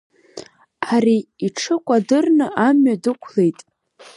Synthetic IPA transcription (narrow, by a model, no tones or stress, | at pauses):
aɾiiʈ͡ʂʰɨkʷʼadɨrnɨʔamɥadɨkʷʰle̞jtʼ